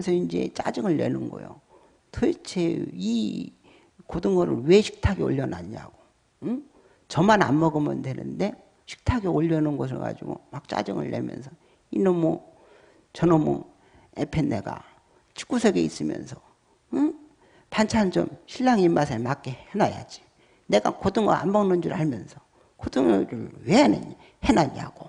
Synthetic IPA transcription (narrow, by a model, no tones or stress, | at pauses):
nsʰʌind͡ʑe̞̰t͡ɕ͈a̰d͡ʑɯŋɯɭːe̞nɯnɡʌ̰jo̰ | tʰɯt͡ɕʰei | kodɯŋɡʌɾɯ̰nwe̞ɕʰi̥k̚tʰaɡeo̰ʎːʌna̰ɲia̰ɡ̥o | ɯ | t͡ɕʌmana̰mːʌɡɯmɯndwe̞nɯ̰nde̞ | ɕʰi̥k̚tʰaɡioʎːʌnɯnɡʌs̬ʰɯɭɡa̰d͡ʑḭɡomak̚t͡ɕ͈a̰d͡ʑɯŋɯ̰ɭːe̞̰mjʌ̰nsʰʌ | inɯnmwʌ | t͡ɕʌnomɯ̰ŋ | epʰenːeɡa̰ | t͡ɕʰi̥k͈usʰeɡe̞is͈ɯmjʌ̰nsʰʌ̥ | ɯ | pant͡ɕʰand͡ʑo̰mɕʰiʎːaŋimːas̬ʰemak͈ehenaja̰d͡ʑi̥ | ne̞ɡakʌdɯŋɡʌʔa̰mbʌŋnɯnd͡ʑuɾaɭmjʌnsʰʌ | kʌdɯŋɾɯɭweɦanḛɲ | henaɲia̰ɡ̥o